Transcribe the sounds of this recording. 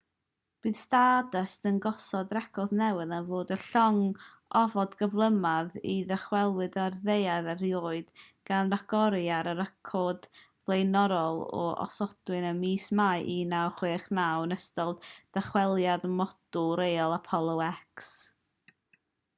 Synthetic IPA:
b̥ɨːðstadəstənɡɔsɔdrɛkʰɔðnɛwɨðənvoːdəɬɔŋ | ɔvɔdɡəvlˠəmaðiðɛχwɛlˠwɨdarðejaðərjoːɨdɡ̥anraɡɔɾjaɾəɾəkʰɔd | vlˠejnɔɾɔlˠɔ̰ʔɔ̰sɔd̥wɨnəmiːsmaɨʔinawχweːχnawnəstɔlˠd̥aχwɛlˠjadmɔd̥ʊlˠɾejɔlˠapʰɔlˠowɛks

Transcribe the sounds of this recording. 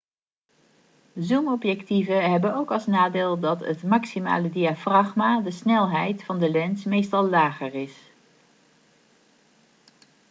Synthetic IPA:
zumɔpjɛktivəɦɛbənowkɑlˠsnaːdeːlˠdɑtətmɑksima̰ːlədiafrɑχmaːdəsnɛlˠɦɛjtfɑndəlɛnsmejstɑlˠːaːχərɪs

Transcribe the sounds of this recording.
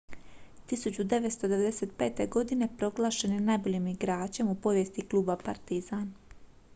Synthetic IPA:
t̪isut͡ɕud̪e̞ʋet̪st̪od̪e̞ʋe̞d̪e̞set̪̚pe̞ːt̪e̞ɡo̞d̪ine̞pɾo̞ɡlˠaːʃeninajbo̞ʎiːmiɡɾaːt͡ɕe̞mupo̞ʋje̞st̪iklˠuːbapaɾt̪izaːn

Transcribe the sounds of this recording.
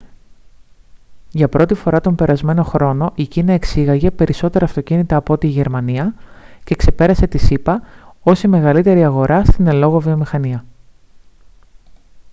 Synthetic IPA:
ʝɐpɾo̞t̪ifo̞ɾɐt̪o̞mbe̞ɾɐzme̞no̞xɾo̞no̞ʔicinɐe̞ksiɣɐʝe̞pe̞ɾʔiso̞t̪e̞ɾɐːft̪o̞cinit̪ɐːpot̪iːʝe̞ɾmɐniɐce̞kse̞pe̞ɾɐse̞t̪isipɐo̞sime̞ɣɐlit̪e̞ɾiɐɣo̞ɾʔɐst̪ine̞lo̞ɣo̞vio̞mixɐniɐ

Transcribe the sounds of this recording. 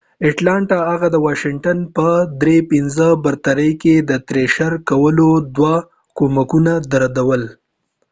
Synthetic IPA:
ɪʈlɑɳʈaɦaɣad̪əwɑʃɪŋʈanpəd̪ɾepinzəbaɾt̪aɾəjked̪ət̪ɾeʃaɾkawəlod̪wa | komakunad̪aɾad̪awəl

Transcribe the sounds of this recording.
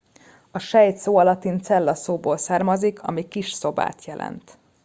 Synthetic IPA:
ɒʃɛjt̪soːɒlɒt̪int̪sɛlːɒsoːboːlsaːrmɒzikʰɒ̰mikiʃso̞ba̰ːt̪jɛlʔɛ̰nt̪

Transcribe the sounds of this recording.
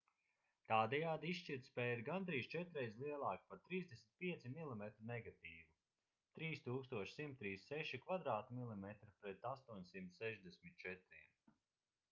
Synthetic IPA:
t̪aːd̪ɛjaːd̪iisʃt͡ʃiɾt̪spɛːiɾɡand̪ɾiːst͡ʃɛt̪ɾɛjzlˠiɛlˠaːkpaɾt̪ɾiːzd̪esʲmit̪̚ʲpiɛt̪similˠimɛt̪ɾunɛɡat̪iːvu | t̪ɾiːst̪uːkst̪uɔʃsimt̪ːɾiːsːɛʃikvad̪ɾaːt̪umilˠimɛt̪ɾipɾɛt̪ast̪uɔɲsimt̪ssɛʒd̪ɛsmit̪̚t͡ʃɛt̪ɾiɛm

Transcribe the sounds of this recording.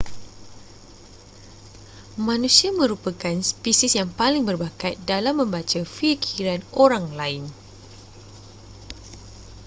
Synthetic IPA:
mãnũsiamə̃ɾupakanspisisjaŋpalɪŋbərbakat̪̚dalamːə̃mbat͡ʃafikʰiɾanoɾaŋlaɪn

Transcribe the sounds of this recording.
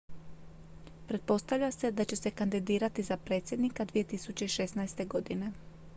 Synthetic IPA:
pɾe̞t̪̚po̞st̪avʎase̞d̪at͡ɕe̞se̞kand̪id̪iːɾat̪izapɾe̞t̪sʲje̞d̪nikad̪ʋije̞t̪isut͡ɕe̞iʃesnajst̪e̞ɡo̞d̪ine̞

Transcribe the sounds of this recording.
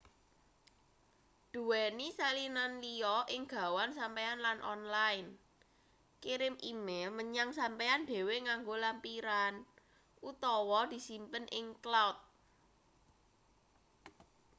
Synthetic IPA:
d̪̥ṳwɛnisalinanliɔʔɪŋɡ̥ä̤wansampeanlanʔɔ̰nlaɪn | kiɾɪmʔimelməɲaŋsampeanɖ̥e̤weŋaŋɡolampiɾan | ʔut̪ɔwɔd̪̥i̤simpənʔɪŋklawt̪̚

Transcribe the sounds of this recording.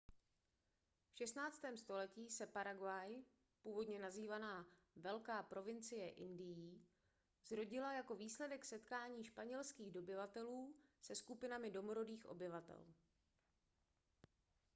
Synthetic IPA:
fʃɛst̪naːt͡st̪ɛːmst̪o̞lɛciːsɛpaɾaɡwaj | puːvo̞dɲɛnaziːvanaː | vɛlkaːpɾo̞vɪnt͡sɪjɛʔɪndɪjiː | zɾo̞ɟɪlajako̞viːslɛdɛksɛt̪kaːɲiːʃpaɲɛlskiːɣdo̞bɪvat̪ɛluːsɛskupɪnamɪdo̞moɾo̞diːxʔo̞̰bɪvat̪ɛ̰l

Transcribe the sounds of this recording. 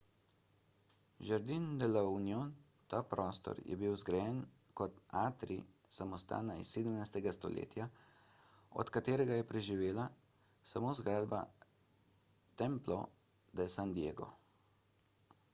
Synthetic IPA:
ʒəɾd̪ind̪ɛlaunjon | t̪apɾɔːst̪ɔ̰ɾjɛ̰biwzɡɾajɛn | kɔt̪aːt̪ɾḭ | samɔst̪a̰ːnaḭsːeːd̪əmnajst̪ɛɡast̪ɔ̰lḛːt̪ja | ɔ̰t̪kat̪eːɾɛɡajɛpɾɛʒiʋeːla | samoːzɡɾaːd̪ba̰ | t̪ɛmplɔ | d̪ɛsand̪jeːɡɔ̰

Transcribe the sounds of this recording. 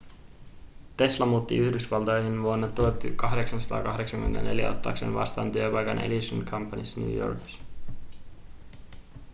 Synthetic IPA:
t̪e̞slɑmuːt̪ːiyçdysʋɑlt̪ojhinʋuonːɑt̪uot̪ːykɑɦde̞ksɑnsɑ̥t̪ɑ̰ːkɑɦde̞ksɑŋk̟yment̪æ̰nʔe̞ljæ̰o̰t̪ːɑ̰ːksḛːnʋɑ̰st̪ɑːnt̪yøpɑjkɑnḛdisonkʰɑmpːɑnisːnjṵːjo̰ːrki̥s

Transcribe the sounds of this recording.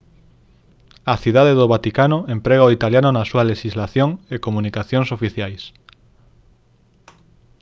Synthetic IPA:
ɐθiðaðeðoβat̪ikanʊẽmpɾeɣaoit̪aljanʊnɐsuɐleʃizlaθjoŋekomũnikaθjoŋsofiθjajs

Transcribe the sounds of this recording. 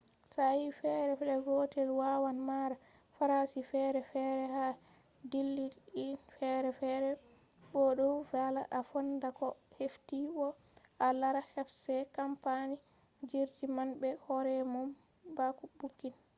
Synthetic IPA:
sajifɛɾɛɗɛɡɔtɛlwawanmaɾa | faɾasifɛɾɛfɛɾɛha | dilːiinfɛɾɛfɛɾɛ | bɔɗɔwvala̰ʔafɔndakɔheftibɔ | ʔalaɾahɛfsɛkampani | d͡ʒiɾd͡ʒimanbɛhɔɾɛmum | bakubukːin

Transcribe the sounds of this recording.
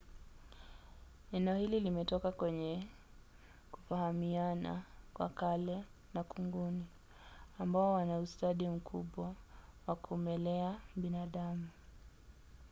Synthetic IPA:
ɛnɛɔhililimɛtɔkakwɛɲɛ | ku̥fahamiana̰kwa̰kalɛ | nakuŋɡuni | ambaɔwanaustaɗim̩kʰuɓwawakumɛlɛaɓinaɗamu

